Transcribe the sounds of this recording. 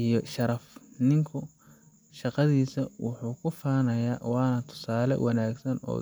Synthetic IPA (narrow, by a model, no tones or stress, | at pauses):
ijɔʃɐɾɐfnɪŋkʰʊ | ʃɑqɑðiːsɐwʊħuːkʰʊfaːnɐjaːwɑːnɐt̪ʰʊ̥saːlɛ̰wʔɑnaːɡsɐnɔ̰ː